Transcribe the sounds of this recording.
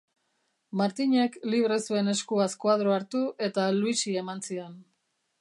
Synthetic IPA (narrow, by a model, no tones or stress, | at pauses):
maɾt̪iɲe̞kliβ̞ɾe̞sue̞ne̞skuaskwað̞ɾoaɾt̪uʔe̞t̪aluisie̞mansien